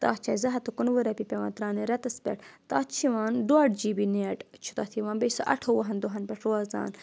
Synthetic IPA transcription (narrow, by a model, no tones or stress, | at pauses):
t̪a̰ːt͡ʃʰaːjzɐɦɐt̪ukunʋuɾɐpipʲewa̰ːnt̪ɾaːniɾɐt̪ɐspʲḛʈt̪aːt͡ʃʰiwaːnɖwaːɖd͡ʒiːbineʈt͡ʃʰut̪aːt̪ʰiwãːnbejsɐʔɐ̰ʈʰowɐɦɐnd̪oɦɐnpeʂoaːza̰ːn